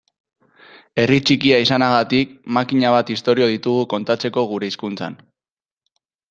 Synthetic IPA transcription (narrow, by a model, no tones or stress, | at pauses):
e̞rit͡ʃikiaisanaɣ̞at̪ikmakiɲaβ̞at̪ist̪o̞ɾio̞ð̞it̪uɣuko̞nt̪at͡se̞ko̞ɣ̞uɾe̞iskunt͡sa̰n